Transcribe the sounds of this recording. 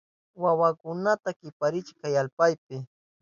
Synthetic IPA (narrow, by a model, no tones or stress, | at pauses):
wawakʊnat̪akɪpaɾɪt͡ʃkajalpajp̚ɪ